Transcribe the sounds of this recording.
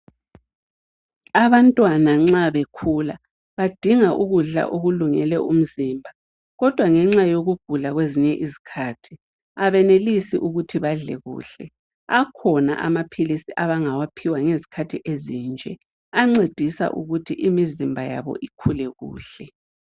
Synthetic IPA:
aβantʼwanaŋ͡ǁaβekʰula | βad̥ʱiŋaʔuɣuɮa̰ʔoɣuluŋɛ̰lɛʔum̩ziːmbʱa | ɣɔd̥ʱwaŋɛŋ͡ǁajoɣuɡ̥ʱulaɣweziɲɛʔizi̥kʰaːtʰi̥ | aβɛnelisiʔuɣutʰiβaɮɛ̰ɣṵːɬɛ | akʰɔna̰ʔa̰mapʰilisiʔaβaŋawapʰiwaŋezi̥kʰatʰiʔeziːnd͡ʒʱɛ | aŋ͡ǀed̥ʱisa̰ʔṵɣutʰiʔimizimbʱaja̰βɔ̰ʔikʰulɛɣṵːɬɛ

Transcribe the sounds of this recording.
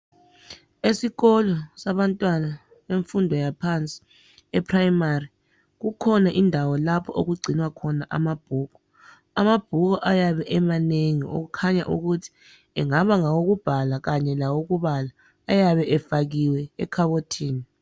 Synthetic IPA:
esiɣɔlɔsaβantʼwana | βeɱfundʱɔjapʰant͡sʼi̥ | ɛpʰrajimari | ɣukʰɔnaʔindʱawɔlapʰɔʔoɣuɡ͡ǀʱinwakʰɔnaʔa̰mab̥̚ʱuːɣɔ | amab̥ʱuɣ̬ɔʔajaβɛʔɛmaneŋio̰ɣ̬ukʰaɲa̰ʔuɣutʰi̥ | ɛŋaβaŋawoɣub̥ʱalaɣaɲɛlawoɣuβalaː | jaβɛʔɛfaɣiwɛɛ̰kʰaβotʰiːni

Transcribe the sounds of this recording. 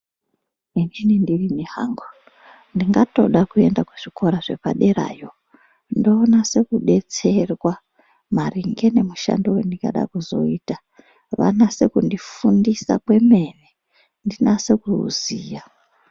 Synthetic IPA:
end͡ʒinindirinehaŋɡo | ndiŋɡato̞̰ɗakue̞ndakuʐ̥iko̞ɾaʐe̞̰pa̰ɗe̞ɾa̰ːjo̞ | ndo̞ːnase̞kuɓe̞t͡se̞rwa | mariŋɡe̞ne̞muʃa̰ndowendika̰ɗa̰kuzo̞̰iːta | ʋa̰nase̞kundifundisa̰kwe̞me̞ne | ndinase̞kuṵziːja

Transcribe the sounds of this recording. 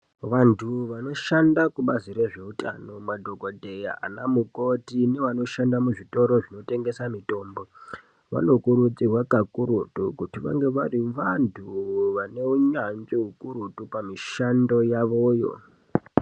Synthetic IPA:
ʋantʰuʋano̞ʃandakuɓaziɾe̞ʐe̞uta̰no̞madʱo̞ko̞dʱe̞ja̰a̰namuko̞tine̞ʋano̞ʃandamuʐito̞ɾo̞ʐino̞te̞ŋɡe̞samito̞ːmbo̞ | ʋa̰no̞kuɾut͡sirwakakuɾutukutiʋa̰ŋɡe̞ʋariʋantʰuʋane̞uɲanʐiɦukuɾutupamiʃando̞jaʋojo̞̰

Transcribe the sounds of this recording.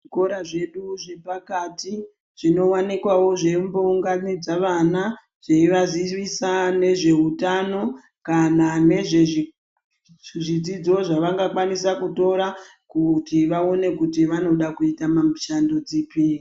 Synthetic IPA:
iko̞ɾaʐe̞ɗuʐe̞pakati | ʐ̥ino̞wanikwawo̞ʐe̞mbouŋɡanid͡zaʋana | ʐ̥eiʋaziʋisane̞ʐe̞utano̞ | kanane̞ʐe | ʐid͡zid͡zo̞ʐaʋaŋɡakwanisakuto̞ɾa | kutiʋao̞ne̞kutiʋano̞ɗakuitamamiʃandod͡ziːpi

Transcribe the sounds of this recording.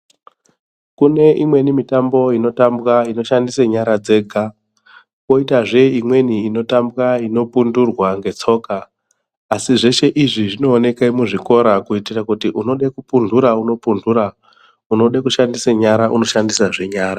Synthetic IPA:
kune̞imwe̞nimitambo̞ino̞tambɣaino̞ʃandisaɲaɾad͡ze̞ːɡʱa | ko̞itaʐe̞imwe̞niːno̞tambwaino̞pundurwaŋɡe̞t͡so̞ːkaː | siʐe̞ʃe̞ʔiʐiʐino̞ːne̞kaimuʐiko̞ɾakuitirakutiʔuno̞ɗekupunduɾauno̞punduɾa | uno̞ɗekuʃandiseɲaɾaʔṵno̞ʃandisaʐe̞ɲaːɾa

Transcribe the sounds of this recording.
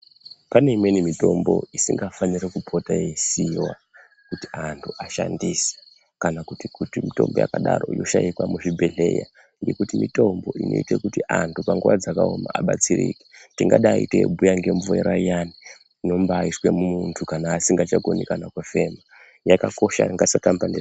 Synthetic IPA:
pane̞imwe̞nimito̞mbo̞̰isiŋɡafanirekupʰo̞tajeisiwa | kutiantʰuʔaʃandise̥ | kanakutikutimito̞̰mboja̰kaɗarojo̞ʃaikwamuʐibʱeɮeja̰ | ŋɡe̞kutimito̞mbo̞ino̞̰itekutiʔantʰupaŋɡuʋad͡zakaoma̰ʔaɓat͡sirḭke̥tiŋɡaɗaːitebʱujaŋɡe̞ɱvueɾaijani | ino̞mbaːiswe̞mumuntʰukanaːsiŋɡat͡ʃakonikanakwefe̞ma | jakakoʃaŋɡasatampande

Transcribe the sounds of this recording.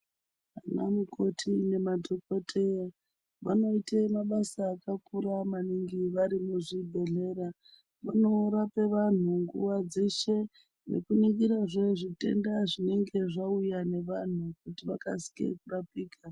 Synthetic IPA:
anamukʰo̞tʰine̞madʱoko̞tʰe̞ja | ʋano̞itemaɓasaːkakuɾamaniŋɡiʋaɾimuʐibʱe̞ɮe̞ɾa | ʋano̞ɾape̞ʋan̤uŋɡṵʋad͡ze̞ʃe̞ | nḛkuniŋɡiɾaʐeʐite̞̰ndaʐine̞ŋɡe̞ʐaujane̞ʋan̤uk̚utiʋakasi̥kḛkurapiːka

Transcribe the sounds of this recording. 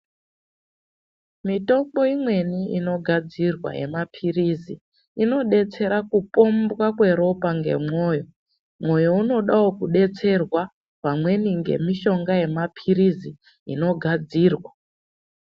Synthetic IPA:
mito̞mbo̞imwe̞niino̞ɡʱad͡zirwa̰je̞̰mapʰirizi | ino̞ɗe̞t͡se̞ɾakupo̞mbwakwe̞ɾo̞paŋɡe̞̰mo̞ːjo̞ | mo̞jo̞uno̞ɗaokuɗe̞t͡se̞rwa | pamwe̞niŋɡe̞̰miʃo̞ŋɡaje̞mapʰirizi | ino̞ɡʱad͡ziːrwa

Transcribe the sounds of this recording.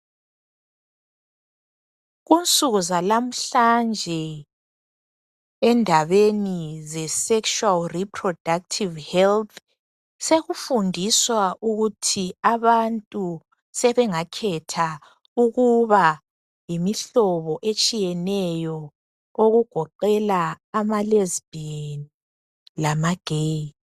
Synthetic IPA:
ɣunt͡sʼuɣuzalam̩ɬand͡ʒʱɛ | ɛndʱaβenizɛsɛkʃualripʰrɔd̥ʱak̚tʰivhɛlt̪ʰ | seɣufundʱiswaʔuɣutʰiaβantʼu | sɛβɛŋakʰɛtʰa | uɣuβa | jimiɬɔβɔʔet͡ʃʼijɛnɛjɔ | oɣuɡ̥ʱɔǃɛlaː | malezb̥in | lamaɡ̥ʱe

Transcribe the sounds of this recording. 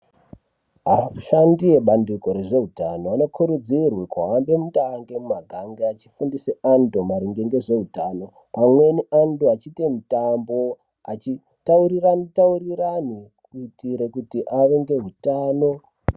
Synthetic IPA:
ɦaʃandije̞ɓanduko̞ɾeʐe̞ɦutano̞ano̞kʰuɾud͡zirwikaːmbe̞mutaŋɡemumaɡʱaŋɡeat͡ʃi̥fundiseandomaɾiŋɡeŋɡeʐe̞ɦutaːno̞ | pamwe̞nianduat͡ʃitemutambo̞ | at͡ʃi | tauɾirataurirani | kuitiɾekutiʔaʋeŋɡe̞ɦutaːno̞

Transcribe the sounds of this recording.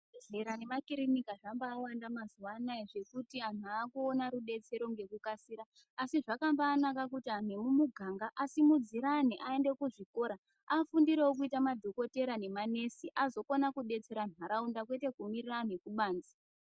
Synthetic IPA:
ɮeɾane̞makiɾinikaʐambaːwandamazuwanaiʐe̞kutian̤uaːkuonaɾuɗe̞t͡se̞ɾo̞ŋɡe̞kukasiɾaː | siʐakambaːnakakutian̤emumuɡʱaŋɡaʔasimud͡ziɾaniʔae̞nde̞kuʐiko̞ɾa | afundiɾewok̬uitamad̪ʱoko̞te̞ɾane̞mane̞siʔazo̞konakuɗe̞t͡se̞ɾanwaɾaundakwe̞te̞kumiriranekuɓaːnd͡zi

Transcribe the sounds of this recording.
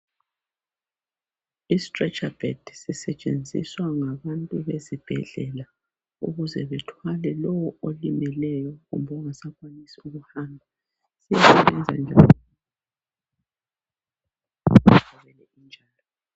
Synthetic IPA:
istʼrɛt͡ʃʼab̥ɛd̥sisɛt͡ʃʼend͡zʱḭswaŋaβantʼuβezib̥ʱɛ̰ɮɛla | uɣuzɛβɛtʰwalɛlɔwɔolimɛlɛjɔɣṵmbʱɔŋasakwanisiuɣuhaːmbʱa | sijasɛβɛnd͡zʱa̰nd͡ʒʱa | utaβɛlɛind͡ʒʱaːlɔ

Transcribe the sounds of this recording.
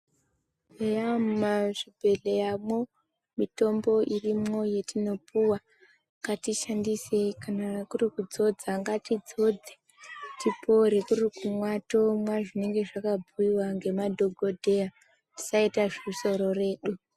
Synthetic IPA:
ejammaʐibʱe̞lejamo | mito̞mbo̞ʔirimo̞je̞tino̞puwa | ŋɡatiʃandise̞kanakurikud͡zo̞d͡zaŋɡatid͡zo̞d͡ze | tipo̞ɾe̞kurikumwato̞mwaʐine̞ŋɡe̞ʐakabʱuiwaŋɡe̞madʱo̞ɡʱo̞dʱe̞a | ti̥saitaʐiuso̞ɾo̞re̞ːɗu

